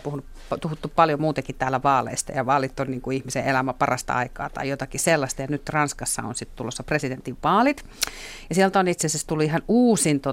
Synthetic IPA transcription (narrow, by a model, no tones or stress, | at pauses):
puhunup | t̪uhut̪ːuppɑljomuːt̪ekitt̪æːlæʋɑːlḛist̪ɑ̰jɑʋɑːlit̪ːonniːŋkuihmiseʔelæmæpɑrʔɑ̰st̪ɑ̰ɑ̰ikɑ̰ːt̪ɑ̰ijot̪ɑkiselːɑst̪ɑjɑnyt̪rɑnskɑsːɑ̰o̰nsit̪t̪ulosːɑpresident̪iʋʋɑːlit̪ | jɑsiɛlt̪onit̪sesest̪ulːuihɑnuːsint̪o